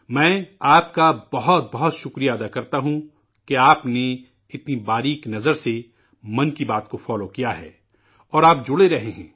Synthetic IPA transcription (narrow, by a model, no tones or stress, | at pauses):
mɛ̃ːaːpkabɐɦɔt̪̚bɐɦɔt̪ʃʊkɾijaːd̪akɐɾt̪aɦũ | keaːpne | ɪt̪nibaːɾiːknɐzəɾse | mɐ̃nkibaːt̪kofɔːlokijaɦɛ̰ː | ɔːɾaːp̚d͡ʒʊɽeɾɐɦeɦɛ̰̃ː